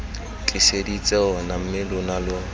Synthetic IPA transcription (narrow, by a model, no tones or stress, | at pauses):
t͡ɬʼɪsedit͡sʼɛʊnam̩mɪlʊnalʊ